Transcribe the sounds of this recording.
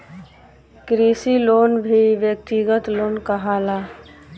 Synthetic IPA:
kɾisiloːnbʱiʋjək̚t̪iɡət̪loːnkaɦaːlaː

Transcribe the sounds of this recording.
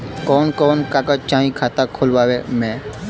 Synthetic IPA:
kɔːnkɔːnkaːkat͡ʃãːɦĩkʰaːt̪akʰoːlʋaːʋemɛ̃ː

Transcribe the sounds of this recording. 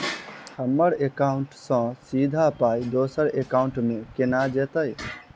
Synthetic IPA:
həmːəɾekaʊɳʈsə̃sid̪ʱapaid̪osəɾekaʊɳʈmekenad͡ʒet̪əj

